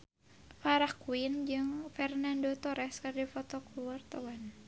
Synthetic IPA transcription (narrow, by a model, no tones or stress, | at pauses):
faɾahkuind͡ʒɨŋfɛrnandɔt̪ɔɾɛskardifɔt̪ɔkuart̪awan